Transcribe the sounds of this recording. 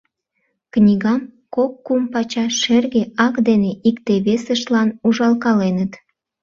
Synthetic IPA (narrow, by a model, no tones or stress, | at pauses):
knʲiɣɑmkokːumpɑt͡ɕɑʃerɣeɑkd̪eneʔikt̪eβesəʃlɑnuʒɑlkɑlenət̪